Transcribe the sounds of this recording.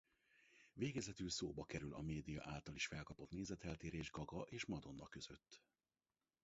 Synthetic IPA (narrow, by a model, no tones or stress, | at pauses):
veːɡɛzɛt̪ylsoːbɒkɛɾylʔɒ̰meːd̪ijɒ̰ʔaːlt̪ɒliʃfɛlkɒpo̞t̪neːzɛt̪ɛlt̪eːɾeːʒɡɒɡɒʔeːʃmɒd̪o̞nːɒkø̞z̥ø̞t̪ː